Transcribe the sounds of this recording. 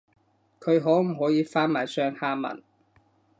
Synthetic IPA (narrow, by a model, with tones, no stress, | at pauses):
kʰɵ˨˧ɥɦɔː˨˥wm̩˨˩ɦɔː˨˥jiː˨˧faː˥nmaː˨˩jsœː˧ŋhaː˧˥mɐ̰˨˩n